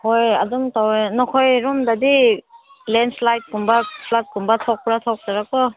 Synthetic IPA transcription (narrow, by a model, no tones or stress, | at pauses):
hoja̰dumtawnɔkʰɔjɾumdadi | lenslajt̚kumbapʰlat̚ɡumbatʰɔk̚pɾatʰɔk̚taɾakɔ